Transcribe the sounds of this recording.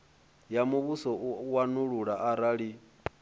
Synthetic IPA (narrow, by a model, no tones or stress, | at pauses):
jamuβusɔwanuɺuɺaʔaɾaɺi